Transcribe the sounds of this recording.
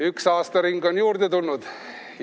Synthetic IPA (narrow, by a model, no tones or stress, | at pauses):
yksɑːst̪ɑɾiŋɡonjuːrd̪et̪ulnud̪̥ | j